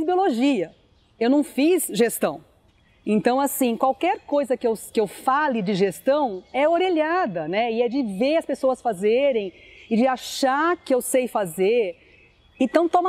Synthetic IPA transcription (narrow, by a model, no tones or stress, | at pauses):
ibioloʒiɐ | ewnɐ̃w̃fizʒest̪ɐ̃w̃ | ẽnt̪ɐ̃w̃asĩkwawkɛɾkojzɐkɪewkɪewfalɪd͡ʒɪʒest̪ɐ̃w̃ɛoɾeʎad̪ɐnɛɪɛd͡ʒɪveɾɐspesoɐsfazeɾẽj̃ɪd͡ʒɪaʃakɪewsejfazeɾ | ẽnt̪ɐ̃w̃t̪õm